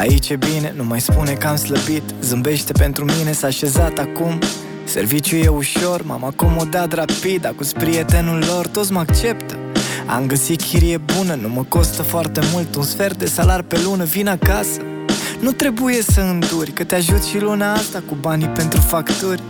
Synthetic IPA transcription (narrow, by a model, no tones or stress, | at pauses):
a̰it͡ʃebine̞numajspune̞kamsləbit̪zɨmbe̞ʃt̪e̞pe̞nt̪ɾumine̞saːʃe̞zat̪akum | se̞rvit͡ʃjuje̞uʃo̞rma̰mako̞mo̞d̪at̪rapid̪akuspɾije̞t̪e̞nulːo̞rt̪o̞t̪s̬ʲməakt͡ʃe̞pt̪ə̥ | a̰mɡəsikʲʰiɾijebunənuməko̞st̪əfoart̪e̞mult̪unsfe̞rd̪e̞salarpe̞lunəvinakasə̥ | nut̪ɾe̞buje̞səɨnd̪urʲkət̪eaʒut̪ʲʃilunaast̪akubanipe̞nt̪ɾufakt̪urʲ